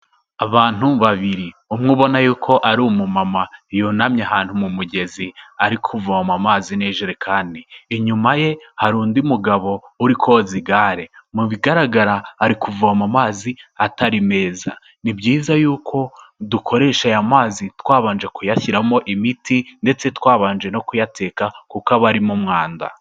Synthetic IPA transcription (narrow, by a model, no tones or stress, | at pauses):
aβaːn̥uβaβiɾiumŋuːβo̞najuːkʰo̞ʔaɾumumamajonamɲaɦaːn̥humumuɟe̞ziaɾikʰuvuwamamaːzineːʒeɾekʰaːndiːɲumaje̞haɾuːndiumuɡaβo̞uɾikʰo̞ziɡaːɾemuβiɡaɾaɡaɾaːɾikuvuamamaːziataɾime̞ːza̰ | nibɟiːzajuːkʰo̞dukʰo̞ɾe̞ːʃajamaːzitwaːβaːnd͡ʒekujaçiɾamo̞ʔimitinde̞t͡se̞twaːβaːnd͡ʒe̞no̞kujatʰe̞ːkakukaβaɾimumŋaːnda̰